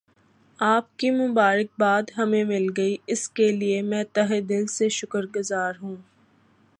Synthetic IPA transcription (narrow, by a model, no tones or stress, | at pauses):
aːp̚kimʊbaːɾək̚baːd̪ɦɐmẽmɪlɡɐiɪskeliemɛ̃ːt̪ɐɦed̪ɪlseʃʊkəɾɡʊzaːɾɦũː